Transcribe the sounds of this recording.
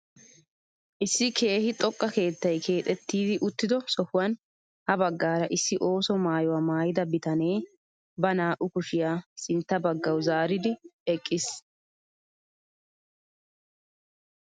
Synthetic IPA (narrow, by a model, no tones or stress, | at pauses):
ʔɪsːɪkʰe̞ːhɪt̪ʼɔkʼːɐke̞ːt̪ːɐjkʰe̞ːt̪ʼɛt̪ːiːd̪ɪʔʊt̪ːɪd̪ɔsɔhʊwɐn | hɐbɐɡːaːɾɐʔɪsːɪʔo̞ːsɔmaːjʊwaːmaːjɪd̪ɐbɪt̪ɐne̞ː | bɐnaːʔʊkʊʃɪjaːsɪnt̪ːɐbɐɡːɐwzaːɾɪd̪ɪɛkʼːɪs